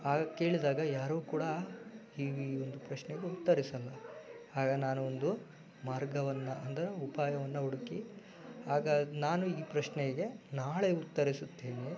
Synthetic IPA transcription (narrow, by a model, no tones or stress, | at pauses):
aːɡɐke̞ːɭid̪aːɡɐjaːɾukuːɽɐ | iːond̪upɾɐʃnɛɡe̞ut̪ːɐɾisɐlːɐ | aːɡɐnaːnuond̪u | maːɾɡɐʋɐnːɐɐnd̪ɐɾeupaːjɐʋɐnːɐɦuɽuki | aːɡɐnaːnuiːpɾɐʂnɛɡe̞naːɭe̞ut̪ːɐɾisut̪ːeːni